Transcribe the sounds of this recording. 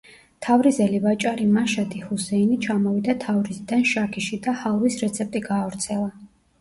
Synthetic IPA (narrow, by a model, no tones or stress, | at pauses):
t̪ʰavɾizɛlivat͡ʃʼaɾimaʃad̪ihusɛinit͡ʃʰamɔvid̪at̪ʰavɾizid̪anʃakʰiʃid̪ahalˠvisɾɛt̪sʰɛp̚ʼt̪ʼiɡaːvɾt̪sʰɛlˠa